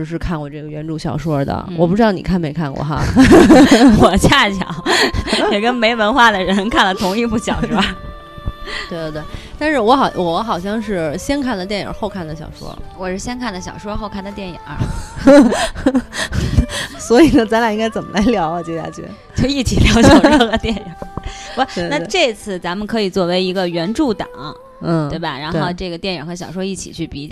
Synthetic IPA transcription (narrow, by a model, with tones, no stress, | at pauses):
ʈ͡ʂɻ̩˧ʂ̬ɻ̩˥˧kʰa˥˩nkwɔ˨˩ʈ͡ʂɤ˥˩ɡə˩ɥɛ˧˥nʈ͡ʂu˥˩ɕjɑ˨˩ʊʂwɔ˥d̪ə̰˩wɔ˨˩pu˥˩ɻ̩˥ɑ˥˩nḭ˨˩kʰa˥˩nme˧˥ɪkʰa˥˩nkwɔ̰˨˩xa̰˥ | wɔ˨˩t͡ɕja˥˩t͡ɕʰjɑ̰˨˩˦ʊjɛ˨˩kə˥nme˧˥ɪwə˧˥nxwa˥˩d̪ə˩ɻə˧˥nkʰa˥˩nlə˩t̪ʰʊ˧˥ŋi˥˧pu˥˩ɕjɑ˨˩ʊʂɻ̩˥˩˥ba˨˩ | t̪we˥˧d̪ə˧˩t̪we˥˩ɪt̪a˥˧nʂɻ̩˥˩wɔ˧˥xɑ˨˩ʊwɔ˧˥xɑ˨˩ʊɕ̬jɑ˥˧ŋʂɻ̩˥˩ɕjɛ˥nkʰa˥˩nd̪ə˩t̪jɛ˥˩nḭ˨˩ŋə̰˧˥xo˥˧ʊkʰa˥˩nd̪ə˩ɕjɑ̰˨˩ʊʂwɔ̰˥wɔ˨˩ʂɻ̩˥˩ɕjɛ˥nkʰa˥˩nd̪ə˩ɕ̬jɑ̰˨˩ʊʂwɔ˥xo˥˧ʊkʰa˥˩nd̪ə˩t̪jɛ˥˩nḭ˨˩ŋə̰˧˥ | swɔ˧˥i˨˩nə˦t͡sa˧˥nla˧˩i˥ŋka˥ɪt͡sə˨˩mə̰˦la˧˥ɪljɑ˧˥ʊə˨˩t͡ɕjɛ˧˥˩ja̰˥˩t͡ɕʰy̰˧˥˩ | t͡ɕjo˥˧ʊi˥˩t͡ɕʰi˨˩ljɑ˧˥ʊɕɑ˥˩ʂwɔ˥xə˧t̪jɛ˥˩˧ni˨˩˦wna˥˧ʈ͡ʂɤ˥˧˥t͡sʰɹ̩˥˩t͡sa˧˥mə˨nkʰɤ˧˥i˨˩t͡swɔ˥˩we˧˥ɪi˧˥ɡə˧ɥɛ˧˥nʈ͡ʂu˥˩t̪ɑ̰˨˩˦ŋɐ˦ | n̩˥˩t̪we˥˩ɪbɐ˩ɻa˧˥nxo˥˧ʊʈ͡ʂɤ˥˩ɡə˩jɛ˥˩nḭ˨˩ŋxɤ˧˥ɕjɑ˨˩ʊʂ̬wɔ˥i˥˩t͡ɕʰḭ˨˩t͡ɕʰy˥˩pi˧˥